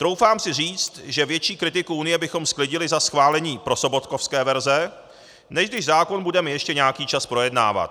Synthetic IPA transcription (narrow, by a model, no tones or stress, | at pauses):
t̪ɾo̞wfaːmsɪriːt͡st̪ʒɛvjɛt͡ʃiːkɾɪt̪ɪkuunɪjɛbɪxo̞msklɪɟɪlɪzasxvaːlɛɲiːpɾo̞so̞bo̞t̪kofskɛːvɛɾzɛ | nɛʒɡdɪʒzaːko̞nbudɛmɛjɛʃcɛɲaakiːt͡ʃaspɾo̞jɛdna̰ːva̰t̪̚